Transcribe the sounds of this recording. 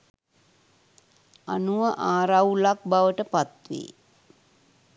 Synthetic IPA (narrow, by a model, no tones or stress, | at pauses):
anuʋəʔaːɾawlak̚baʋəʈəpat̪ʋḛː